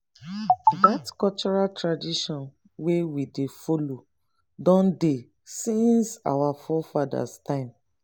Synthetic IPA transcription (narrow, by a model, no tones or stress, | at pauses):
datkɔlt͡ʃɔɹaltʰɹadiʃɔ̃n | wewidefɔlo | dɔ̃nde | sĩnsa̰wafɔfada̰stãɪ̃m